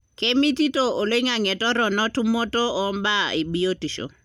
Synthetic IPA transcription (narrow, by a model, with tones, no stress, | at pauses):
ke˦mi˦ti˦to˨o˨le˦ŋa˨ŋɛ˨tɔ˦ɾɔ˨nɔ˦tu˦mo˦to˦ɔ˨˦mba˦i˨bi˦o˦ti˨ʃo̰˨